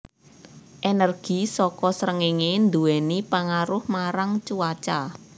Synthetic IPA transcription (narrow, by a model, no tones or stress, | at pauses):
ʔenɛrɡ̥i̤sɔkɔsɾəŋiŋend̪uwɛnipaŋaɾʊhmaɾaŋt͡ʃuwat͡ʃa